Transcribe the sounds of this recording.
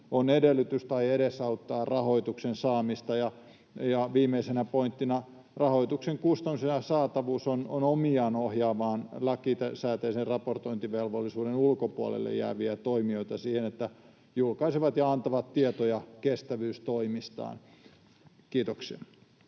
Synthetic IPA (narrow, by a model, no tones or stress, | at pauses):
onedelːˑyt̪yst̪ɑieɾesɑut̪ːɑːrɑhoit̪uksensɑːmist̪ɑjɑ | jɑʋiːmeisenæpoint̪ːinɑ | rɑhoit̪ukseŋkust̪ɑmisenjɑsɑːt̪ɑʋuːsononomiɑːnohjɑːʋɑːnlɑkit̪æsæːt̪eiserrɑport̪oint̪iʋelʋolːisuːdenulkopuɑ̰lḛlːḛjjæ̰ːʋiæt̪oimioit̪ɑsiːhenet̪ːæ | julkɑisiʋɑt̪jɑɑnt̪ɑʋɑt̪t̪iet̪ojɑkest̪æʋyːst̪oimist̪ɑ̰ːn | kiːt̪oksiɑ̰